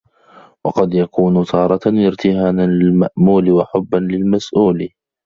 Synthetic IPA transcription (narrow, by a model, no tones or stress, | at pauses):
wɑqɑd̪jakuːnʊt̪ʰɑːɾˤɑɪɾt̪ɪhaːnanlɪlmaʔmuːlɪwaħʊbːanlɪlmasʔuːl